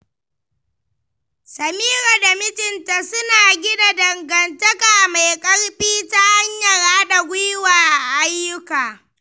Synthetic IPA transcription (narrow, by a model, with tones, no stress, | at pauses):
sɐ˨miː˦ɾa˨da˨mɪ˦tɪ˨nta˨sʊ˦naː˨ɡʲɪ˦da˨dɐ˨ŋɡɐ˨ntɐ˦kaː˨ma˨jkʼɐ˦ɽɸʼiː˦ta˦ha˦ɲjɐ˨ɽaː˦ɗa˨ɡʷʊ˦jwaː˨ʔa˨ʔa˦jːʊ˦kaː˨